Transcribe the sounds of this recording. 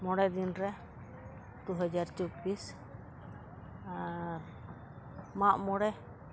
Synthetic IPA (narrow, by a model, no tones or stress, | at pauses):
mɔɽɛd̪inɾɛ | d̪̥uɦəd͡ʒaɾt͡ʃɔbis | a | maʔmɔɽɛ